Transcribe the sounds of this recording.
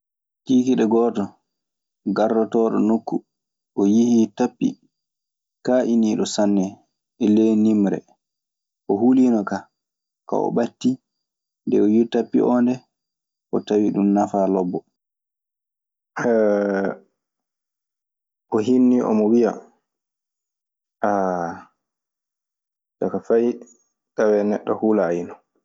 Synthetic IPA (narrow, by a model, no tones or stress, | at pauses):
tiːkiɗɛɡɔːtɔ | ɡarːɔtɔːɗɔ̰nokːu | ʔɔjihitapːḭ | kaʔiniːɗɔsanːɛ | ʔɛlɛnimɾɛ̰ | ʔɔɦulinɔka | ka̰ɔ̰ɓatːi | ndɛɔjitapːḭʔɔːndɛ | ʔɔtawiɗumnafalɔbːɔ | ʔɔɦinːiʔɔ̰mɔwia̰ | ʔa | dakafaj | tawɛnɛɗːɔhuːlaːjinɔ